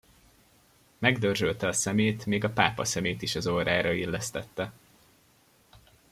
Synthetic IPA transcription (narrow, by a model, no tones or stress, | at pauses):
mɛɡd̪ørzølt̪ɛɒsɛmeːt̪meːɡɒpaːpɒ̰sɛmeːt̪iʃɒzoːɾaːɾɒilːɛst̪ɛt̪ːɛ